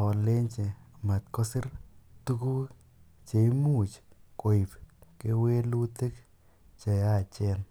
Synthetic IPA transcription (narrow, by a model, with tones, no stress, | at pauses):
ɔ˨le˦ɲt͡ʃe˨ma˨t̪kɔ˦sɪ˦rtu˦ku˦ | t͡ʃe˨i˦mu˦˨t͡ʃko˨i˨pke˦we˦lu˦te˦k | t͡ʃe˨ja˦˨t͡ʃɛ˦n